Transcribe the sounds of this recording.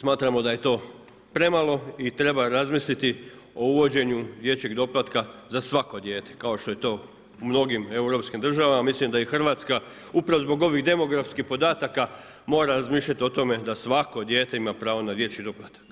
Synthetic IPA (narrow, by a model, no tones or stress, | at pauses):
smaːt̪ɾamo̞d̪aje̞t̪o̞ː | pɾe̞malo̞it̪ɾe̞baɾazmislit̪i | o̞uʋo̞d͡ʑe̞ɲud̪je̞t͡ɕe̞ɡd̪o̞plˠat̪kazasʋako̞d̪je̞ːt̪e̥kao̞ʃt̪o̞je̞t̪o̞ː | umno̞ɡime̞uɾo̞pskimd̪r̩ʒaʋamamislimd̪aixr̩ʋaːt̪ska | upɾaʋozbo̞ɡo̞ʋiɣd̪e̞mo̞ɡɾafskixpo̞d̪aːt̪aka | mo̞ːɾaɾazmiːʃʎʲat̪io̞t̪o̞me̞d̪asʋako̞d̪je̞ːt̪e̞imapɾaːʋo̞nad̪je̞t͡ɕid̪o̞plˠat̪ḁk